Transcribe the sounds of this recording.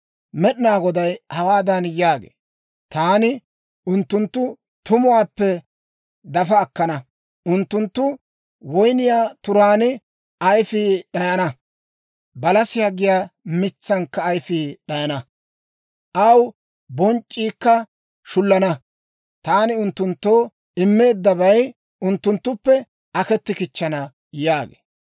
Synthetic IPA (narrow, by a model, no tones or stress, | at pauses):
mɛɗɪnaːɡɔd̪ɐjhɐwaːd̪ɐnjaːɡḛː | t̪aːnɪ | ʔʊnt̪ːʊnt̪ːʊ | t̪ʊmʊwaːpːɛ | d̪ɐfɐːkːɐnɐ | ʔʊnt̪ːʊnt̪ːʊ | wɔjnɪjaːt̪ʊɾaːnɪ | ɐjfɪɗɐjɐnɐ | bɐlɐsɪjaːɡɪjaːmɪt͡sːɐŋkːɐːjfiːɗɐjɐnɐ | ʔɐw | bɔnt͡ʃʼːiːkːɐ | ʃʊlːɐnɐ | t̪aːnɪʊnt̪ːʊnt̪ːo̞ː | ɪmːe̞ːd̪ːɐβɐj | ʊnt̪ːʊnt̪ːʊpːɛ | ʔɐkɛt̪ːɪkɪt͡ʃːɐnɐ | jaːɡḛː